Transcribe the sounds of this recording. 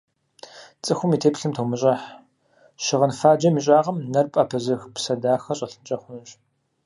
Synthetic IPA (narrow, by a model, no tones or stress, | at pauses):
t͡sʼɨxʷʊmiːtʰeːpɬɨmtʰowmɨɕʼɐħ | ʃɪʁənfaːd͡ʒɐmiːɕʼaːʁɐmnɐrpʼɐpʰɐzɨxpsɐdaːxɐɕʼɐɬɨnt͡ʃʼɐχʷʊnɨɕʼ